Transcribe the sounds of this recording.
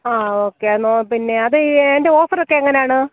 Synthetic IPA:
aːoːkːeɐnːoːpinːe̞ɐðɨːndeo̞ːfɐrokːe̞ɐŋːɐne̞jaːɳɨ

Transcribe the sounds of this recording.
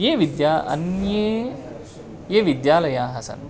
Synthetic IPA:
jeːʋid̪jaːɐ̰njeː | jeːʋid̪jaːlɐjaːɦɐsɐ̰n

